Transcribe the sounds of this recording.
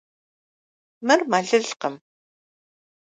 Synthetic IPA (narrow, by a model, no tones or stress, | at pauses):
mɨrmaːɮɨɮqəm